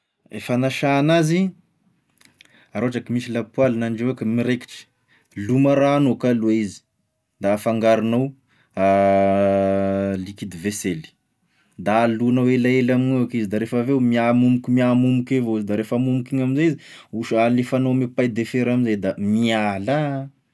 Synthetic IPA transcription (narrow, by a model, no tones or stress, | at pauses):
efanaʃaːnazi | aɾoaʈ͡ʂakimisilapwalnanɖ͡ʐewekəmiɾeki̥ʈ͡ʂə̥ | lumaɾaːnokaluaizi̥ | d̪afaŋɡaɾunaw | a | likid̪iveseli̥ | d̪alunawelaelaminakizid̪aɾefəvewmiamumukʲumiamumukevoizid̪aɾefamumukiɲaminzeizi | uʃalefanomepajd̪efeɾamizejd̪amiala